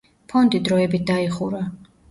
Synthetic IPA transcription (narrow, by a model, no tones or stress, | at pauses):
pʰɔnd̪id̪ɾɔɛbit̪̚ʰd̪aiχuɾa